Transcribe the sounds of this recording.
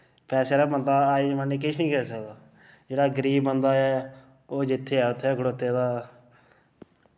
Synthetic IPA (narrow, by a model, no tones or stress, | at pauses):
pɛːseːɾaːbənd̪aːaːimaniːk̬ɪʃnĩːkɪsəkd̪aː | d͡ʒeːɽaːɡəɾiːbənd̪aːɛː | oːd͡ʒɪt̪ʰːeːɛːʊt̪ʰːɛːɡəɽoːt̪ːeːd̪aː